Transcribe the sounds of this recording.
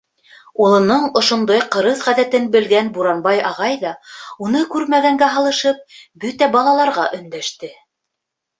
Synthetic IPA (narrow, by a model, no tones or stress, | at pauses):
ulˠɤ̆nɤɴŏʃŏnd̪ɑjqɤ̆ɾɤðʁæðæt̪ɘnbɘ̆lɡænbuɾɑnbɑjɑʁɑjðɑunɤkʉɾmæɣæŋɡæɦɑlˠɤ̆ʃɤp̚bɵt̪æbɑlˠɑlˠɑɾʁɑʔɵ̆nd̪æʃt̪ɘ